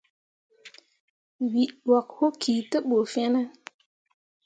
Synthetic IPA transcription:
wi˨ʔwa˨kho˦kʰi˨tə˦ɓo˨fɛ˦nə˦

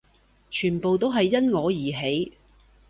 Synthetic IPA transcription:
t͡ʃʰyː˨˩npo˨wt̪o˥wɦɐ˨jːɐ˥nŋɔː˨˧jiː˨˩ɦe˨˥j

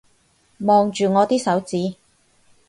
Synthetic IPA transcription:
mɔː˨ŋt͡ʃyː˨˩ŋɔː˨˧t̪iː˥sɐ˨˥wt͡siː˨˥

